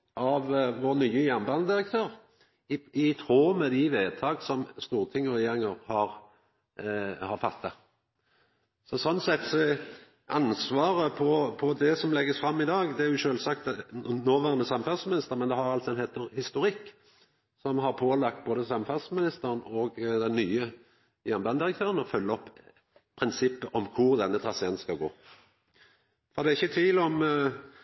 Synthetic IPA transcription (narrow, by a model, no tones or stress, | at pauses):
ʔɑʋʋoːʁnyːəjæʁnbɑnd̪ɪʁək̚t̪ʰøːʁ | ɪt̪ʰɾoːmɛd̪ɪʋeːd̪t̪ʰɑːɡsɔmst̪uːʁt̪ʰɪŋːɔʁɛjeːɾɪŋəɾhɑʁ | hɑɾfɑt̪ːɑ | sɔsɔnːsɛt̪sɔ | ʔɑnsʋɑːɾəpʰɔpʰɔd̪ɛsɔmlɛɡːəsfɾɑmːɪd̪ɑːɡd̪ɛæʁjʊʃøːlsɑk̚t̪noːʋæʁnəsɑmfælsmɪnɪst̪əʁmɛnd̪ɛhɑʁɑlt̪sɔɛnheːt̪əʁhɪst̪ʊʁɪkː | sɔmɦɑʁpʰoːlɑkt̪̚boːd̪əsɑmfɑlsmɪnɪst̪əʁənɔɡd̪ɛnːyːə | jænbɑnd̪ɪʁək̚t̪ʰøːʁənɔfœlːəɔpː | pʰʁɪnsɪpːəʔɔmkʰʊʁd̪ɛnːət̪ʰʁɑseːnskɑɡo̰ː | fɔd̪ɛːæɪçːət̪ʰʋiːlɔm